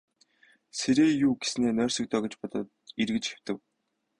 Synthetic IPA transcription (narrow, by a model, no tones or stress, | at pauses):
seɾeːjuːɡe̥sneːnœːr̥ʲsɞ̆k̚t̪ʰœːɡĕt͡ɕpɔt̪ɞ̆t̪irɣɘ̆t͡ɕxe̥w̥t̪ɘ̆w